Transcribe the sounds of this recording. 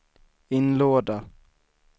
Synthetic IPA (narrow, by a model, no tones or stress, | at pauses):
ɪnloːd̪a